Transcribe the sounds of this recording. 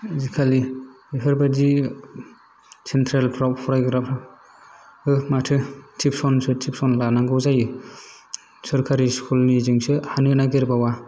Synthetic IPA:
zikʰali | ɦɯɾbadi | sentʰɾelpʰɾawpʰɔɾajɡɯɾapʰɾa | ɯmatʰɯtʰip̚sɔnsɯtʰip̚sɔnlanaŋɡɯwzajɯ | sɯɾkʰaɾiskʰulnizɯŋsɯhanɯnaɡeɾbawa

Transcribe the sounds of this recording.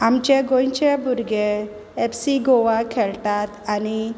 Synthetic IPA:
amt͡ɕeɡõjt͡ɕebuɾɡeː | psiɡɔʋakʰɛɭʈ̪at̪ani

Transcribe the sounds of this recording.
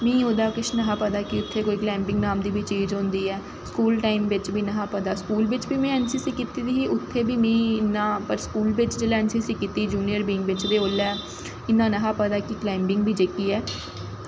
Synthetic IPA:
mĩːod̪aːkɪʃnəɦãːpəd̪aːkiʊt̪ʰːeːkoːiːklɛ̃ːmbɪ̃ŋɡnaːmd̪iːbiːt͡ʃiːd͡ʒɦõːnd̪iːɛː | skuːlʈaːimʋɪt͡ʃbʱiːnəɦãːpəd̪aːskuːlʋɪt͡ʃbiːmɛ̃ːɛːnsiːsikːit̪iːd̪iːiːʔʊt̪ʰːeːbʱiːmĩːɪnːãːpəɾskuːlbɪt͡ʃd͡ʒeːlaːɛːnsiːsikːit̪iːd͡ʒuːnijəɾbiːŋɡʋɪt͡ʃd̪eːoːlɛː | ɪnːãːnəɦãːpəd̪aːkiːklɛ̃ːmbɪŋɡbʱiːd͡ʒekiːɛː

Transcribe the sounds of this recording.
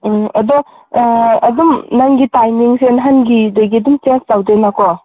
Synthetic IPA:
ɐdɔ | ɐdumnaŋɡitajmiŋsenɦanɡidojɡidumt͡ʃenstawdenakʰɔ

